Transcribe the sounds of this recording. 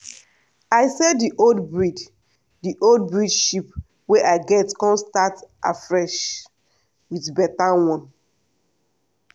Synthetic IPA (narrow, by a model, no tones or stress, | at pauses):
aɪsɛdiʔodbɹid | diʔold̚bɹidʃip | weʔaɪɡɛtkɔ̃nstata̰fɹɛʃ | wiðbɛtawɔ̃n